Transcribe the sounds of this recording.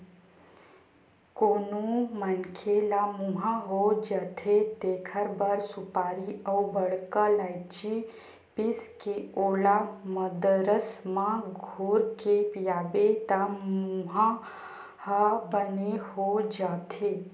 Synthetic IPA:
konumənkʰelamuɦaɦod͡ʒət̪ʰet̪ekʰəɾbəɾsupaɾiəubəɽkəlajt͡ʃi | piskeolaməd̪əɾəsmãɡʱuɾkepijaʋet̪amuɦa | həbəneɦod͡ʒat̪ʰe

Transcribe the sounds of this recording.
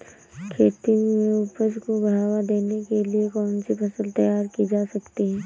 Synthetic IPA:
kʰeːt̪imẽʊpəd͡ʒkobɐɦaːwad̪eːnekeliekɔːnsipʰɐsəlt̪ɐjaːɾkid͡ʒaːsɐkt̪iɦɛː

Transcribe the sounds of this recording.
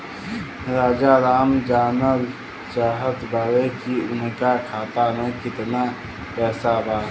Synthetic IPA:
ɾaːd͡ʒaɾaːmd͡ʒaːnəl | t͡ʃaːɦət̪baːɾekiʊnkakʰaːt̪amẽkɪt̪na | pɛːsabaː

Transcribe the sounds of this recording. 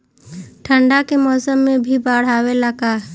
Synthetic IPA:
ʈʰə̃ɳɖakemɔːsəmːẽbʱibaːɽ̤aːwelakaɦ

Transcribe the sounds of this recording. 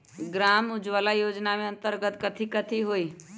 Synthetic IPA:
ɡɾaːmʊd͡ʒʋəlajoːd͡ʒnamẽə̃nt̪əɾɡət̪kət̪ʰikət̪ʰiɦoi

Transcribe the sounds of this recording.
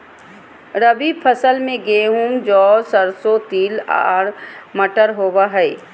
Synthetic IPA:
ɾəbipʰəsəlmẽɡeːɦumd͡ʒɔːsəɾsot̪iːla̰ːɽməʈəɾɦoːwaɦɛɪ

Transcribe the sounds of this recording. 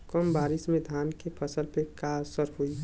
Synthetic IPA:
kɔmbaːɾɪsmẽd̪ʱaːnkepʰəsəlpekasəɾɦoi

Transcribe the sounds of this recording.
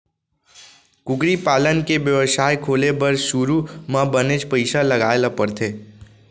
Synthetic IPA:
kʊkɾipaːlənkeʋjəʋəʃaːjkʰoːlebəɾʃuɾumãbənet͡ʃpəɪʃalɐɡaːelapəɾt̪ʰeː

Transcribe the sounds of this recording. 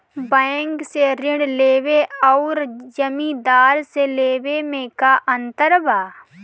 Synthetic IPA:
bɛŋkseɾɪ̃ɳɖleːweɔːɾd͡ʒəmĩd̪aːɾseleːwemẽkaʔə̃nt̪əɾbʱaː

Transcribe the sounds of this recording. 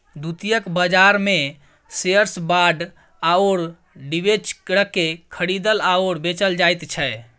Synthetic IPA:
d̪ut̪ijəkbəd͡ʒaɾme | seəɾsbaɖ | aoɾ | ɖibet͡ʃkɾəkːekʰəɽid̪əlaoɾbet͡ʃəld͡ʒajt̪t͡ʃʰɛ

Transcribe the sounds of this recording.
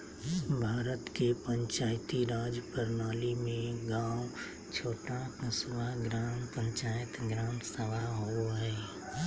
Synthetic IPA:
bʱaːɾət̪kepə̃ɲt͡ʃaːjt̪iɾaːd͡ʒpəɾnaːlimẽɡaːʊ | t͡ʃʰoːʈakəswaɡɾaːmpə̃ɲt͡ʃaːjət̪ɡɾaːnsəʋaɦooɦɛː

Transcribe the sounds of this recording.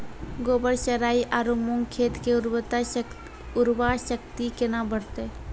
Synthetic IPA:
ɡoːbəɾʃəɾaːiʔaːɾomõŋɡkʰeːt̪keʊɾt̪a | ʊɾwaʃəkt̪ikenabəɽt̪e

